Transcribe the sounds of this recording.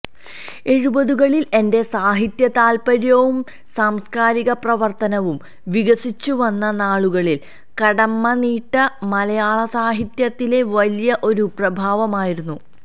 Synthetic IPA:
e̞ɻubɐðuɣɐɭile̞nde̞saːɦit̪jɐt̪aːlpɐɾjɐʋum | saːmskaːɾiɣɐprɐʋɐrt̪ɐnɐʋum | ʋiɣɐsit͡ɕːuʋɐnːɐnaːɭuɣɐɭil | kɐɽɐmːɐniːʈːɐmɐlɐjaːɭɐsaːɦit̪jɐt̪ːile̞ʋɐlijɐʔo̞ɾuprɐbʱaːʋɐmaːjiɾunːu

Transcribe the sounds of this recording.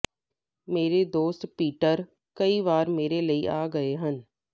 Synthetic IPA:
meːɾed̪oːst̪piːʈəɾ | kəiʋaːɾmeːɾeləiʔaːɡəeɦən

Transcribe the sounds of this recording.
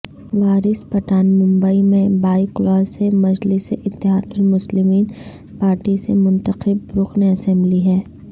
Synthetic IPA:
ʋaːɾɪspɐʈaːnmʊ̃mbəimẽbaːiklɔːzsemɐd͡ʒlɪseʔɪt̪ːɪɦaːd̪ʊnmʊslɪmiːn | paːɾʈisḛmʊ̃nt̪əxɪb̚ɾʊxneɐsɛ̃mbliɦɛː

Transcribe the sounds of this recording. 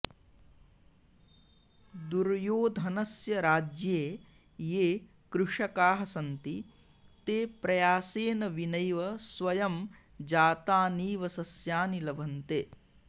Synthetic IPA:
d̪uɾjoːd̪ʱɐnɐsjɐɾaːd͡ʒjeː | jeː | kɾuʂɐkaːɦɐsɐnt̪i | t̪eːpɾɐjaːseːnɐʋinɐjʋɐsʋɐjɐm | d͡ʒaːt̪aːniːʋɐsɐsjaːnilɐbʱɐnt̪eː

